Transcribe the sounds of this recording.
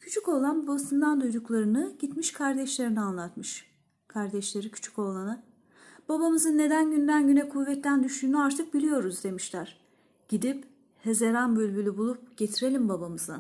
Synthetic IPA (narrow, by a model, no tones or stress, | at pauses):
cʰyt͡ʃʰyko̞lˠanbabasɯnd̪and̪ujd̪uklˠaɾɯnɯɟ̥it̪miʃkʰaɾd̪ɛʃlʲe̞ɾinianlˠat̪mɯʃ | kʰaɾd̪ɛʃlʲe̞ɾicʰy̥t͡ʃʰy̥co̞lˠanɯ | b̥abamɯzɯnːe̞d̪ænɟynd̪ænɟynɛkʰuvːɛt̪ːænd̪yʃyːnyaɾt̪ʰɯk̚bilʲijo̞ɾuzd̪e̞miʃlʲæɾ̥ | ɟ̥id̪ip | he̞zeɾanbølʲbylʲybulˠup̚ɟ̥e̞t̪ʰiɾe̞lʲimbabamɯzɯa